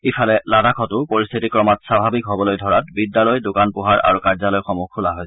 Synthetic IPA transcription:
ifʰalɛladakʰɔtʊpoɹist̪ʰitikɹɔmatsabʱabikɦɔbɔlojdʱɔɹat̚bidːalɔjdʊkanpʊɦaɹʔa̰ɹukaɹzalɔjxɔmukʰːulaɦoj

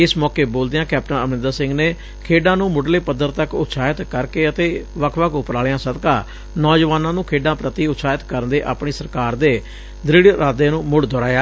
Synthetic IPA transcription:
ɪsmɔːkeːboːld̪eːãːkɛːp̚ʈə̃nəmɪ̃nd̪aːsɪ̃ŋɡneː | kʰeːɖãːnũːmʊɖleːpəd̪əɾt̪əkʊ̰t̪saːɪt̪kəɾkeːət̪eːʋəkʰʋəkʰʊpɾaːɭjãːsəd̪kãː | nɔːd͡ʒʋaːnãːnũːkʰeːɖãːpɾət̪iːʊt̪saːɪt̪kəɾnd̪eːʔa̰ːpɳiːsəɾkaːɾd̪eː | d̪ɾɪɽɾaːd̪eːnũːmʊɽd̪ɔːɾaːjaː

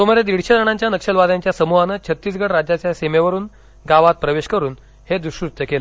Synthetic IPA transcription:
t̪omoɾed̪ʋiɽɕəd̪əɽ̃aɲt͡ɕjanəkʂəlʋad̪aɲt͡ɕjasəmuɦanat͡ɕʰət̪ːiːs̬ɡəɽɾad͡ʑjat͡ɕjasemeʋəɾuːn | ɡaʋat̪̚pɾəʋeɕkəɾuːn | hed̪uɕkɾut̪jəkela

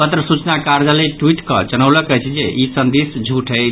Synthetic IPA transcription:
pət̪ɾəsut͡ʃnakaɾd͡ʒaleʈwiʈkə̰d͡ʒənəwləkəjt͡ʃʰid͡ʒeʔisənd̪esd͡ʒʱuʈʰəɪ

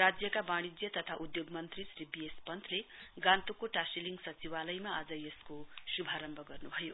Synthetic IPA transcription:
rad͡zjʌkabaɽ̃id͡zjʌt̪ʌt̪ʰaʔud̪joɡmʌnt̪risribijespʌnt̪ʰleɡãnt̪okoʈasiliŋɡsʌt͡siwalʌjmaad͡zʌjeskosubʱaɾʌmbʱʌɡʌrnubʱʌjo

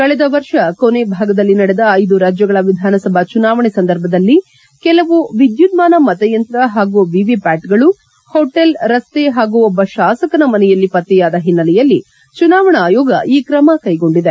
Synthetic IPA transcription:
kɐɭɛd̪ɐʋɐɾʂɐkonebʱaːɡɐd̪ɐlːinɐɽɛd̪ɐːjd̪uɾaːd͡ʒjɐɡɐɭɐʋid̪ʱaːnɐsɐbʱɐt͡ʃunaːʋɐɳesɐnd̪ɐɾbʱɐd̪ɐlːi | kɛlɐʋuʋid̪jud̪maːnɐmɐt̪ɐjɐnt̪ɾɐɦaːɡuʋiʋipaːʈɡɐɭu | hoːʈelɾɐst̪eɦaːɡuɔbːɐʃaːsɐkɐnɐmɐnɛjɐlːipɐt̪ːɛjaːd̪ɐɦinːɐlɛjɐlːi | t͡ʃunaːʋɐɳɐaːjɔːɡɐʔiːkɾɐmɐkɐjɡo̞ɳɖid̪e

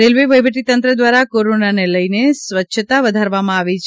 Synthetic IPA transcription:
ɾelʋiʋəjʋʱəʈit̪ənt̪ɾəd̪ʋaɾakoɾonaneləjnesʋətːʃʰət̪aʋəd̪ʱaɾʋamãaʋit͡ʃʰ

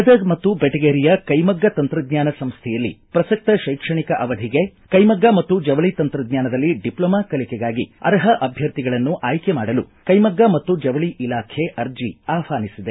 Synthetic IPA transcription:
ɐd̪ɐɡmɐt̪ːubeʈɐɡeːɾijɐkɐjmɐɡːɐt̪ɐnt̪ɾɐd̪ɲaːnɐsɐmst̪ʰɛjɐlːḭpɾɐsɐk̚t̪ɐʃɐjkʂɐɳikɐʔɐʋɐd̪ʱiɡekɐjmɐɡːamɐt̪ːud͡ʒɐʋɐɭit̪ɐnt̪ɾɐd̪̚ɲaːnɐd̪ɐlːiɖiplɐːmakɐlikɛɡaːɡiɐ̰ɾɐɦɐʔɐbʱjɐɾt̪iɡɐɭɐnːuʔaːjkemaːɽɐlu | kɐjmɐɡːamɐt̪ːud͡ʒɐʋɐɭiʔilaːkʰeʔɐɾd͡ʒiaːfaːnisid̪e

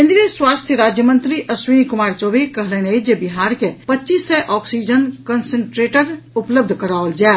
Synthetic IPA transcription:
ɦɪ̃nd̪ɾeswaːst̪ʰjəɾaːd͡ʒjəmə̃nt̪ɾiʔɐswinkʊmaːɾt͡ʃoːbekɐɦleneid͡ʒebɪɦaːɾkepɐt͡ʃiːsːɛʔɔːksiːd͡ʒənkɐnsə̃ɳʈɾeːʈəɾʊpləb̚d̪ʱkɐɾaːʋəld͡ʒaː

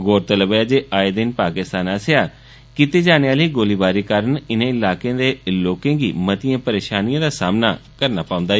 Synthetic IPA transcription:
ɡoːɾt̪ələbeaːd͡ʒeːʔaːed̪ɪnpaːkɪst̪aːnaːsjaː | kit̪eːd͡ʒaːneːaːləiːɡoːliːbaːɾiːkaːɾənɪnẽːɪlaːkẽːd̪eːloːkẽːɡiːmət̪ijãːpəɾeːʃaːnijãːd̪aːsaːmna̰ːkəɾnaːpãːʊ̃nd̪aː

